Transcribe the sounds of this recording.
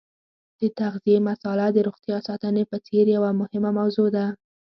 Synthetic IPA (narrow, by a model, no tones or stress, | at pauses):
d̪̥ət̪aɣzijemasɑlad̪əɾoɣt̪jɑsɑt̪ənepət͡seɾjawamʊhɪmamawzod̪a